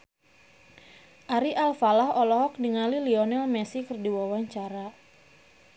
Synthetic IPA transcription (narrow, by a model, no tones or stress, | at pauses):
ʔaɾiʔalfalahɔlɔɦɔk̚diŋaliliɔnɛlmɛsikərdiwawaɲt͡ʃaɾa